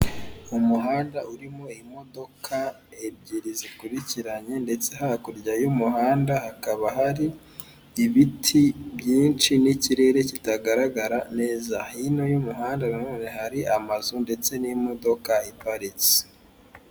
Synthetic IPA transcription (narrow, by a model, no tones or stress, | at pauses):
umuɦaːndaʔuɾimo̞imo̞do̞kʰa | ebɟiɾizikuɾiciɾaɲe̞nde̞t͡se̞ɦaakuɾɟajumuɦaːndahakaβaɦaɾiː | βitʰibjiːnt͡ʃiniciɾe̞ɾe̞citaɡaɾaɡaɾane̞ːzahino̞jumuɦaːndananoːne̞haɾiʔamazunde̞t͡se̞nimo̞do̞kaipaɾit͡si̥